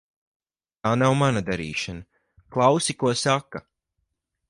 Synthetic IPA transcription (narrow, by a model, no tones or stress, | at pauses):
t̪aːnawmanad̪aɾḭːʃana | klˠawsikuɔsaka